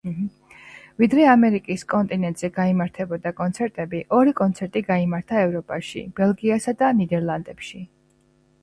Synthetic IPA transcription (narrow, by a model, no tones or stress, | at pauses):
vid̪ɾɛamɛɾikʼiskʼɔnt̪ʼinɛnt̪ʼz̥ɛɡaimaɾt̪ʰɛbɔd̪akʼɔnt̪sʰɛɾt̪ʼɛbiʔɔɾikʼɔnt̪sʰɛɾt̪ʼiɡaimaɾt̪ʰaɛvɾɔpʼaʃḭb̥ɛlˠɡiasad̪anid̪ɛɾlˠand̪ɛpʃi